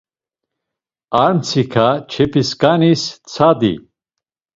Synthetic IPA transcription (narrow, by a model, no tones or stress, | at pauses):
aɾmt͡sʰikʰat͡ʃʰɛpʰiskanist͡sʰad̪ḭ